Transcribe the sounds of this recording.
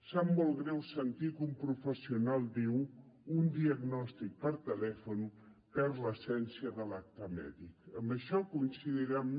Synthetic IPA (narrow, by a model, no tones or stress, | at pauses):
samːɔlˠɣɾɛwsənt̪ikumpɾufəsiunalˠd̪iw | und̪iəɡnɔst̪ik̚pəɾt̪əlɛfun | pɛɾləsɛnsiəðəlak̚t̪əmɛ̰ðikəmbəʃɔkunsiðiɾam